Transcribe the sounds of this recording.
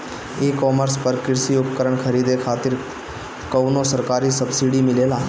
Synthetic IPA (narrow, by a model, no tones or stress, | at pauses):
eːkɔːməɾspəɾkɪɾsiʊpəkəɾəɳkʰəɾiːd̪ekʰaːt̪ɪɾ | kəʋnosəɾkaːɾisəbsiːɖimɪleːlaː